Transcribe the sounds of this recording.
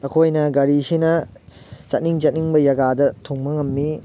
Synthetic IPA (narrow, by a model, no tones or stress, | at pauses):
ɐkʰojnɐɡɐɾisinɐ | t͡ʃɐtniŋt͡ʃɐt̚niŋbɐjɐɡadɐtʰuŋmɐŋɐmni